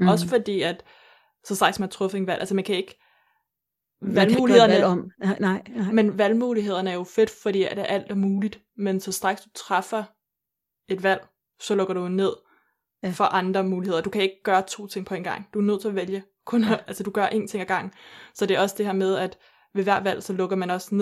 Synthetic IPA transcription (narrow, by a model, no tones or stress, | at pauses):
ɒ̽səfɒ̽d̥ḭːæd̥ | sɒ̽d̥ʁɑ̈ɡ̥smænt͡sʰʁɔ̽fəe̝nʋæl̰ʔælsəmænkʰæe̝ɡ̥ | ʋælmuːliheð̰ˠɐm | menʋælmuːliɦe̝ð̞̰ˠɐnəæɐjo̝fe̝d̥fɒd̥ḭːæd̥eɐʔæl̰d̥ɒmuːlid̥ | mensɒ̽sd̥ʁɑ̈ɡ̥sd̥u̥t͡sʰʁɑfɐ | e̝d̥ʋæl̰ | sɒ̽lɔ̽ɡ̥ɐɾ̥uenːe̝ð̰ˠ | fɒ̽ʔɑ̈nd̥ʁɐmuːlihe̝ð̰ˠɐd̥ukʰæe̝ɡ̥əɡ̥ɶːɐt͡sʰo̝̰ːt͡sʰe̝ŋ̰pʰɒ̽e̝nɡ̥ɑ̈ŋ̰d̥uæɐnøð̰ˠt͡sʰe̝ɒʋeljə | kʰɔ̽nɐælsəd̥uɡ̥ɶɐʔe̝̰ːnt͡sʰe̝ŋ̰æɡ̥ɑ̈ŋ̰n̩sɒ̽d̥e̝æɐɒ̽sd̥e̝ɦeɐ̰með̞ˠæd̥ | ʋe̝ʋæɐ̰dʋæl̰sɒ̽lɔ̽ɡ̥ɐmænɒ̽sne